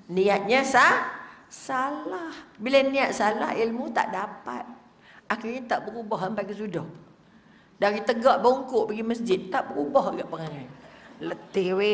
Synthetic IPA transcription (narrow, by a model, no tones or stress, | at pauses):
niat̪̚ɲəsahsalahbilaniat̪̚sala̰hilmut̪a̰ʔdapa̰t̪̚ | axirɲat̪aʔbəɾubɔɦəmpaʔkəsudɔh | daɾit̪əɡɔʔbəuŋkʊʔpaɡiməs̬d͡ʒɪt̪̚ːaʔbəɾubɔɦaɡaʔpəŋaŋanlət̪ɪhwe